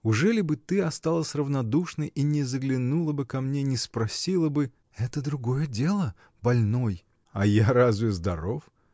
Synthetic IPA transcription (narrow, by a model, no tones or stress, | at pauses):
ʊʐɛlʲɪbɨt̪ɨɐst̪alˠəsʲrəvnɐd̪uʂnəjʔinʲɪzəɡlʲɪnulˠəbɨkɐmnʲenʲɪspɾɐsʲilˠəbɨ | ɛt̪əd̪ɾʊɡo̞jədʲelˠə | bɐlʲno̞j | ɐjaɾazvʲɪzd̪ɐɾo̞f